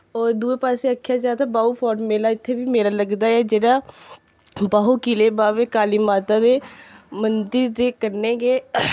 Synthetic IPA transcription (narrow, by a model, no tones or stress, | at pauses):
ɔːɾd̪uːeːpaːseːəkʰːjaːd͡ʒaːt̪aːbaːuːpʰɔːɾɖmeːlaːɪt̪ʰːeːbiːmeːlaːləɡd̪aːɛːd͡ʒeːɽaː | baːuːkileːbaːʋeːkaːliːmaːt̪aːd̪eːmənd̪əɾd̪eːkəɾneːɡeː